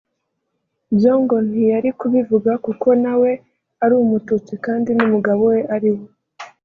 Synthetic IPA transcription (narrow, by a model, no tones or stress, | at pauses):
bjoːŋɡo̞nijaɾikuβivuɡakuko̞nawe̞ | aɾuːumutut͡sikaːndinumuɡaβo̞we̞ʔaɾiwo